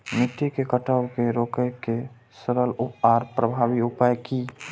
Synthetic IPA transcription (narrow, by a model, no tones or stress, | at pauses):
mit̪ːikekəʈəbkeɾokəjke | səɾəlupaɾpɾəbʱabiupajki